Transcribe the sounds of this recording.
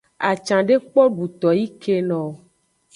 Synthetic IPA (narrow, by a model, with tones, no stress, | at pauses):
a˨t͡ʃã˨ɖe˦k͡pɔ˦ɖu˨t̪ɔ˨ji˦ke˦nɔ̃˨